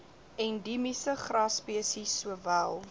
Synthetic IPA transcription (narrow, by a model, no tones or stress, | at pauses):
ɛndimisəχrɑspiəsisːuəvælˠ